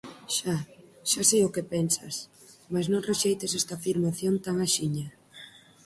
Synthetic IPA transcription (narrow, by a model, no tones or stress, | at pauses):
ʃaʃasejʊkepɛnsɐ̰s | masnõŋreʃejt̪ɪsɛst̪afiɾmaθjont̪aŋaʃiɲɐ